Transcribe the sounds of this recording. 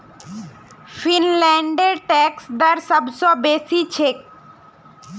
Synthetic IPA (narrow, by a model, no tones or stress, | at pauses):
fʰinlɛɳɖeɾʈɛksd̪aɾsəbsɔbesit͡ɕʰek̚